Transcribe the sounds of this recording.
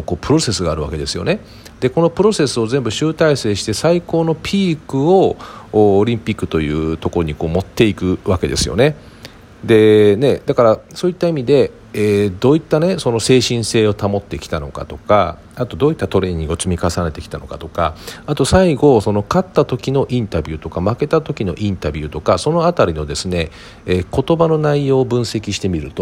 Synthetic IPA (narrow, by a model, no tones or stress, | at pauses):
ko̞ːpɯ̟ɾo̞se̞sɨɡaːɾɯ̟βake̞d̪e̞sɨjo̞̰ne̞ | d̪̥e̞ko̞no̞pɯ̟ɾo̞se̞sɨo̞zẽ̞mbɯ̟ɕɨːt̪aise̞ːɕi̥t̪e̞saiko̞ːno̞pʲʰiːkɯ̟o̞ː | ɾʲĩmpʲikːɯ̟̥t̪o̞jɯ̟̰ːt̪o̞ko̞ɾoɲ̟iko̞ːmo̞t̪ːe̞ikɯ̟βake̞d̪e̞sɨjo̞̰ne̞ | d̪e̞ne̞d̪akaɾasoːit̪ːaimʲid̪e̞ | eːd̪o̞ːit̪ːane̞so̞no̞se̞ːɕĩɰ̃se̞ːo̞t̪amo̞t̪ːe̞kʲi̥t̪ano̞ka̰t̪o̞ka̰ | at̪o̞d̪o̞ːit̪ːat̪o̞ɾe̞ɲ̟io̞t͡sɨmʲikasane̞t̪e̞kʲi̥t̪ano̞̰kat̪o̞ka̰at̪o̞saiɡo̞so̞no̞kat̪ːat̪o̞kʲino̞ʔĩnt̪abʲɨːt̪o̞kamake̞t̪at̪o̞kʲino̞̰ʔĩnt̪abʲɨːt̪o̞kaso̞no̞at̪aɾʲino̞d̪e̞sɨne̞ | eːko̞t̪o̞bano̞naijo̞ːbɯ̟̃ɰ̃se̞kʲiɕi̥t̪e̞mʲiɾɯ̟̰t̪o̞